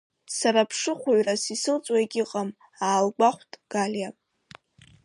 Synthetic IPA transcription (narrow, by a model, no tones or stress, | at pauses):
saɾapʰʂɨχʷaɥrasisɨlt͡sʷʼwaeɡʲɪqʼam | aːlɡʷaχʷtʼɡ̥aljapʼ